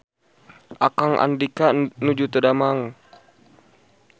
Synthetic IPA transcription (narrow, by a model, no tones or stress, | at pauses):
ʔakaŋʔa̰ndikanud͡ʒut̪ədamaŋ